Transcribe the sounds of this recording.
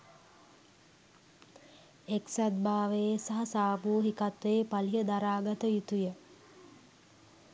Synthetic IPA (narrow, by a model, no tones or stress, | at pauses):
eksad̪̚baːʋesaɦɐsaːbuːɦikat̪ʋeːpaliɦəd̪aɾaːɡat̪əjut̪ujə